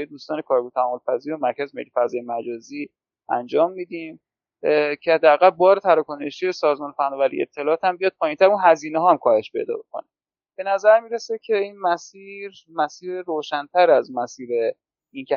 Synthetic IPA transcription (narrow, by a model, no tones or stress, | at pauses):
jed̪uːst̪ɒːne̞kʰɒːɾbot̪ʰææmːolfæziːɾomæɾkʰæzmḛlefæzɒːjemæd͡ʒɒːzi | ʔæ̰nd͡ʒɒːmːiːd̪im | cʰehæd̪ːææɣælbɒːɾet̪ʰæɾɒkʰoneʃiesɒːzmɒːnefænːɒːvælḭeb̚t̪ʰːe̞lɒːt̪hæmbijɒːd̪̚pʰɒːjint̪ʰæɾunɦæziːneɦɒːæmkʰɒːhe̞ʃpe̞̰jd̪ɒ̰ːbekʰo̰ne | b̥e̞næzæɾmiːɾesecʰe̞inmæsiɾ | mæsiːɾɾoːʃænt̪ʰæɾæzmæsiːɾe | incʰe